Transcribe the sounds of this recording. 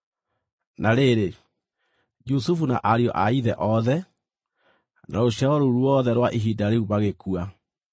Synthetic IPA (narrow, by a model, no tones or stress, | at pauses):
naɾeɾe | d͡ʒusufuna̰ʔaɾiɔ̰ʔaiðɛʔɔðɛ | naɾoʃaɔɾoɾwɔðɛɾwaʔeɦidaɾeuβaɣekua